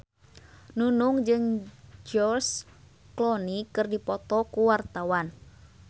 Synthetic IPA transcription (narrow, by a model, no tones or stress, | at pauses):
nunuŋd͡ʒɨŋd͡ʒɔrs | klɔnikɨrdipɔt̪ɔkuwart̪awan